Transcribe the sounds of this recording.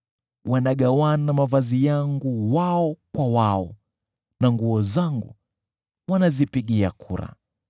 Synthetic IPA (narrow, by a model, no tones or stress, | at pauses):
wanaɠawanamavazijaŋɡuwaɔkwawaɔ | naŋɡuɔzaŋɡṵ | wanazipiɠiakʰṵɾa̰